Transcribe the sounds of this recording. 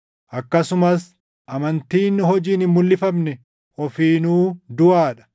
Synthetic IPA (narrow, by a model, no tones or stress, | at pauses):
ʔɐkːɐsʊmɐs | ʔɐmɐnt̪iːnːɪɦɔd͡ʒiːnɪmːʊlːɪfɐmnɛ | ɔfiːnuːd̪ʊʔaːᶑɐ̥